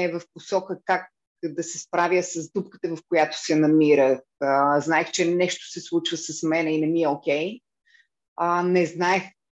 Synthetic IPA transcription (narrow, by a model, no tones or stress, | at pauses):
ɛvɐfposɔkəkak̚ | d̪ɐsɛspɾavjəsɐzd̪upkə̥t̪əvɐfkojat̪o̥sɛnɐmiɾəxəznaɛxt͡ʃɛnɛʃt̪o̥sɛslˠut͡ʃvəsɐsmɛnɛinɛmiɛokʲɛj | ənɛznaɛx